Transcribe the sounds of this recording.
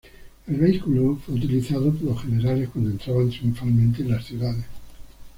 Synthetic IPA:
e̞lβe̞ikuloofwe̞ut̪̬iliθaðopoɾlosxeneɾaleskwand̪oent̪ɾaβant̪ɾjuɱfalmẽnt̪̬enlasθjuðaðes

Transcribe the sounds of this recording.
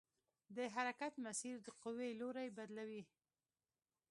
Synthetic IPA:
d̪əɦaɾakat̪masiɾd̪əqʊweloɾajbad̪lawi

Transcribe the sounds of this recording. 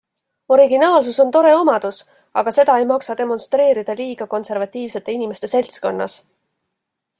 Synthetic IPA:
o̞ɾiɡinɑːlsuso̞nt̪o̞ɾe̞o̞mɑd̪̥us | ɑ̰ɡ̥ɑse̞d̪̥ɑe̞jmɑksɑd̪̥e̞mo̞nst̪ɾe̞ːɾid̪̥ɑliːɡ̥ɑko̞nse̞ɾvɑt̪ˑːiːvse̞t̪ːˑe̞inime̞st̪e̞se̞lʲt̪sko̞nːɑ̰s

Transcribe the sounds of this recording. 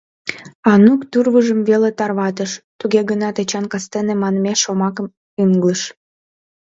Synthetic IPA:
ɑnukt̪urβəʒəmβelet̪ɑrβɑt̪əʃt̪uɣeɣənɑt̪et͡ɕɑnkɑst̪enemɑnəmeʃːomɑkəm | yŋɡləʃ

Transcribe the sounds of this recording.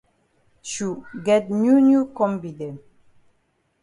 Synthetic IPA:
ʃuɡɛt̚njunjukɔ̃mbid̪e

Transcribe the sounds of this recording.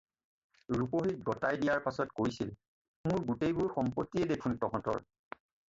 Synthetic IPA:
ɹupoɦik̚ɡɔtajdijaɹpasɔtkoɹisil | mʊɹɡutejbʊɹxɔmpotːijɛdekʰuntɔɦɔ̃tɔ̰ɹ

